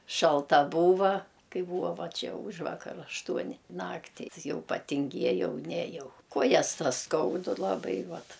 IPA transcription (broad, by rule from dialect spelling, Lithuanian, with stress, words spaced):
ʃɐlˠˈtɐ ˈbuːʋɐ ˈkɐɪ ˈbuːʋɐ ˈʋɐ ˈt͡ʃʲɛ ˈuːʒʋɐkɐr ɐʃˈtuɔnʲɪ ˈnɑːktʲiː ˈjɛʊ pɐtʲɪŋʲˈɡʲiɛjɛʊ ˈnʲæːjɛʊ ˈkuɔjɛs ˈtɐs ˈskɐʊdʊ lˠɐˈbɐɪ ˈʋɐt